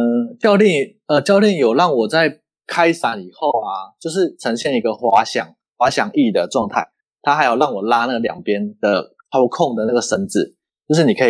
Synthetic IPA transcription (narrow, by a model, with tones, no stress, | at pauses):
ət͡ɕjɑ˥˧ʊli˥˩ŋ | ə˨t͡ɕjɑ˥˧ʊlji˥˩ŋjo˨˩lɑ˥˩ŋwɔ˨˩t͡sa˥˩ɪ | kʰa˥ɪsa˨˦ni˨˩xo˥˨ʊa˨˩t͡ɕjo˥˧ʊʂɻ̩˥˩ʈ͡ʂʰə˧˥ŋɕjɛ˥˩ni˧˥ɡə˧xwa˧˥ɕjɑ̰˨˩ŋ | xwa˧˥ɕjɑ˨˩ŋi˥˩d̪ə˩ʈ͡ʂwɑ˥˧ŋt̪ʰa˥˩ɪ | t̪ʰa˥xa˧˥ɪjo˨˩ʊlɑ˥˩ŋwɔ˨˩la˦˥na˥˩ɡljɑ̰˨˩ŋpjɛ˥˦nd̪̥ə̰˨ | kʰɑ˥ʊkʰɔ˥˨ŋd̪ə˨˩na˥˩ɡə˩ʂə˧˥nt͡sɹ̩˨˩ | t͡ɕjo˥˧ʊʂ̬ɻ̩˥˩ni˨˩˧i˨˩